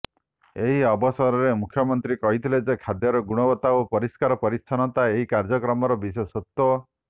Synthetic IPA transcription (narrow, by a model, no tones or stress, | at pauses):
eɦiɔbɔsɔɾɔɾemukʰjɔmɔnt̪ɾikɔɦit̪ʰiled͡ʒekʰad̪jɔɾɔɡuɽ̃ɔbɔt̪aopɔɾiskaɾɔpɔɾit͡ʃʰanɔt̪aeɦikaɾd͡ʒɔkɾɔmɔɾɔbisesɔt̪ːɔ